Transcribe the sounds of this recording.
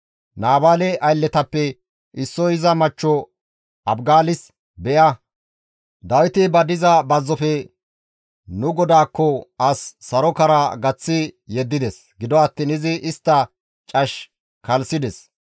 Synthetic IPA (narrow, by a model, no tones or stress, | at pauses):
naːbaːlɛʔɐjlːɛt̪ɐpːɛ | ʔɪsːɔɪzɐmɐt͡ʃːɔ | ɐbɡaːlɪs | bɛʔɐ | d̪ɐwɪt̪ɪbɐd̪ɪzɐbɐzːɔfɛ | nʊɡɔd̪aːkːɔɐsːɐɾɔkɐɾaɡɐt͡sːɪjɛd̪ːɪd̪ɛs | ɡɪd̪ɔɐt̪ːiːnɪzɪʔɪst̪ːɐ | t͡ʃʼɐʃ | kɐlsɪd̪ɛs